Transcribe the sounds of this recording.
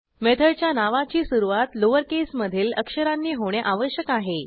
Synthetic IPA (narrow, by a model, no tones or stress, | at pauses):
met̪ʰəɭt͡ɕjanaʋat͡ɕiːsuɾuʋat̪loʋəɾkesməd̪ʱiːləkʂəɾanːiːɦoɽ̃eʔaʋəɕjəkaɦe